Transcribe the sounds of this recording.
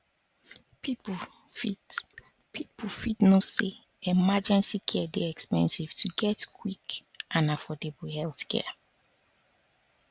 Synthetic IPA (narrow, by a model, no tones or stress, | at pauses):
pip | fi | pʰipufitnose | ɛmad͡ʒɛ̃nsikʰɛdɛɛkspɛ̰̃nsiv̥tʰuɡɛtkʰwik | ʔãnafɔdebuhɛlθkʰɛ̰